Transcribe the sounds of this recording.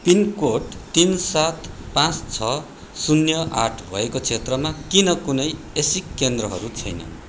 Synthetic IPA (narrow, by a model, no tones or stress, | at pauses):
pinkoʈt̪insat̪pãt͡st͡sʰʌ | sunjʌʔaʈʰbʱʌ̰ekot͡sʰet̪rʌmakinʌkunʌj | esikːend̪rʌɦʌ̰ɾut͡sʰʌjnʌ̰